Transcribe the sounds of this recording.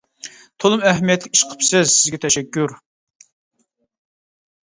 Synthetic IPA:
t̪ʰolˠʊmɛɦmijɛt̪lɪkʲi̥ʃqʰə̥psɨzsɪzɡʲɛt̪ʰɛʃɛkʲːuɾ

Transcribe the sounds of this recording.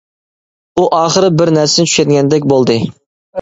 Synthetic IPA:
uʔɑːχəɾɨbɪɾnæɾsɪnɪt͡ʃʰy̥ʃɛd̪ɡʲɛnd̪ɛk̬ʲbolˠd̪ɨ

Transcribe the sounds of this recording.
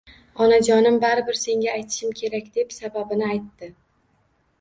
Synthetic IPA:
ɒnad͡ʒɒnɪmbaɾɪbɪɾse̞ŋɡʲaːjt̪ʰɪ̥ʃɪmkʲʰe̞ɾakʲd̪e̞psababɪnɪajt̪ːɪ

